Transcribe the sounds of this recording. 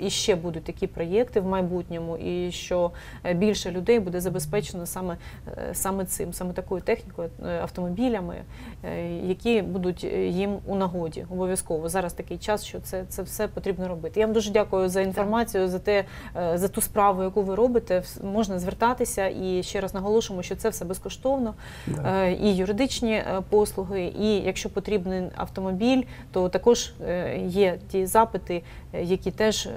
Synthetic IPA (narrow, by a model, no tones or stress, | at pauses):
iʃt͡ʃɛbud̪ʊt̚ʲt̪ɐkʲipɾɔjɛkt̪ɪwmɐjbutʲnʲɔmʊʔiʃt͡ʃɔ | bʲilʲʃɛlʲʊd̪ɛjbud̪ɛzɐbespɛt͡ʃenɔsɑmɛsɑmɛt̪sɪ̰msɑmɛt̪ɐkujʊt̪ɛxnʲikɔjʊɐ̰ft̪ɔmɔbʲilʲɐmɪ̰ | jɐkʲibud̪ʊtʲjimunɐɦɔdʲḭɔbɔʋʲjɐskɔʋɔzɑɾɐst̪ɐkɪjt͡ʃɑsʃt͡ʃɔt̪sɛt̪sɛwsɛpɔt̪ɾʲibnɔɾɔbɪt̪ɪjaʋmd̪uʒɛdʲakʊjʊzɐinfɔrmɑt͡sʲijʊzɐt̪ɛ | zɐt̪uspɾɑʋʊjɐkuʋɪɾɔbɪt̪ɛ | mɔʒnɐzʋert̪ɑt̪ɪsʲɐʔiʃt͡ʃɛɾɐznɐɦɔlˠɔʃʊɪmɔʃʲt͡ʃɔt̪sɛwsɛbɛskɔʃt̪ɔwnɔ | ijʊɾɪd̪ɪt͡ʃnʲipɔslˠʊɦɪʔijɐkʃt͡ʃɔpɔt̪ɾʲibnɪɐ̰wt̪ɔmɔbʲilʲt̪ɔt̪ɐkɔʒjɛtʲizɑpɪt̪ɪjɐkʲit̪ɛʒ